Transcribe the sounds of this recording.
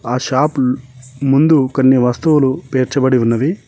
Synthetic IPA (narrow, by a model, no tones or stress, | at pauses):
aːʃaːp | mund̪ukɐnːiʋɐst̪uʋulupeːɾt͡ʃɐbɐɽiunːɐʋi